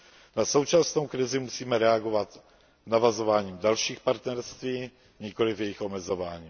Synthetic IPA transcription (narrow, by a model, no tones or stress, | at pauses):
naso̞wt͡ʃasno̞wkɾɪzɪmusiːmɛɾɛaɡo̞vat̪ | navazo̞vaːɲiːmdalʃiːxpaɾt̪nɛɾst̪viː | ɲɪko̞lɪfjɛjɪxʔo̞mɛzo̞vaːɲiː